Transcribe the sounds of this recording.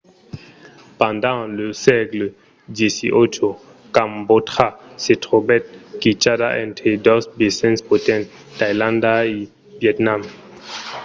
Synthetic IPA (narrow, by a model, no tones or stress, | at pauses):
pãndɑ̃ləsɛklə | djesḭʔot͡ʃo | kambotχasetχobɛt̚kit͡ʃada̰ʔɛ̰̃ntχedɔsbesɛ̃nspotɛ̃n | tajlãndai | vjɛtnam